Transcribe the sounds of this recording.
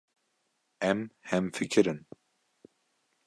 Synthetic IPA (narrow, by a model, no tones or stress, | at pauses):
ɛmhɛmfɨkʰɨɾɨn